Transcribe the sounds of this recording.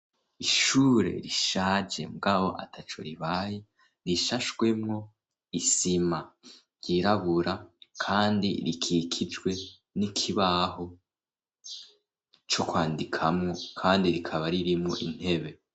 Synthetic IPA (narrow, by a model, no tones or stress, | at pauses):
iʃuːɾe̞̰ɾiʃaːd͡ʒe̞̰muɡaβo̞ʔa̰tʰat͡ʃo̰ɾiβaːje | ɾiʃaʃwe̞mŋo̞ | isima | ɾɟiɾaβuɾakʰaːndḭɾikʰikʰid͡ʒɡwe̞ | nikʰiβaho̞ | t͡ʃo̞kwaːndikʰamŋokʰaːndiɾikʰaβaɾiɾimŋo̰ʔin̥he̞βe̞